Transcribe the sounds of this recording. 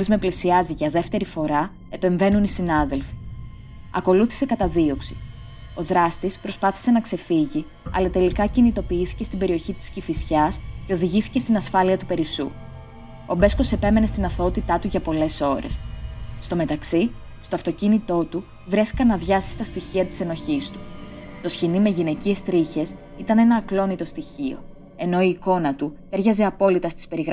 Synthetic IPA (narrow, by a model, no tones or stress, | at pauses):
lizme̞plisiɐziʝɐðe̞ft̪e̞ɾifo̞ɾɐ | e̞pe̞ɱve̞nunisinɐðe̞lfi̥ | ɐ̰ko̞luθi̥se̞kɐt̪ɐðio̞ksi̥ | o̞ðɾɐst̪ispɾo̞spɐθi̥se̞nɐkse̞fiʝi | ɐ̰lɐt̪e̞likɐcinit̪o̞piiθi̥ce̞st̪ibe̞ɾio̞çit̪i̥scifisçɐsce̞o̞ðiʝiθi̥ce̞st̪inɐsfɐliɐt̪upe̞ɾisṵ | o̞be̞sko̞se̞pe̞me̞nest̪inɐθot̪it̪ɐt̪uʝɐpo̞le̞so̞ɾe̞̰sst̪o̞me̞t̪ɐksi | st̪o̞ɐft̪o̞cinit̪o̞t̪u | vɾe̞θi̥kɐnːɐðʝɐsi̥st̪ɐst̪içiɐt̪i̥se̞no̞çist̪u̥ | t̪o̞sçinime̞ʝine̞cie̞st̪ɾiçe̞s | it̪ɐne̞nɐːklo̞nit̪o̞st̪içio̞̰ | e̞no̞iːko̞nɐt̪u | e̞ɾʝɐze̞ɐpo̞lit̪ɐst̪i̥spe̞ɾiɣɾ